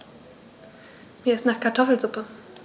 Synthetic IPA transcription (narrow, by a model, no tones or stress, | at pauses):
miːɐɪstnaːχkʰaɐtʰɔfl̩zʊpə